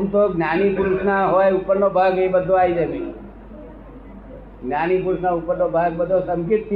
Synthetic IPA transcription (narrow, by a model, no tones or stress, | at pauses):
msoɡnjanipuɾusnaɦojupːəɾnobʱaɡibəd̪ʱoaid͡ʒanĩ | ɡnjanipuɾusnaupːəɾnobʱaɡ̚bəd̪ʱosəmkɪt̪ː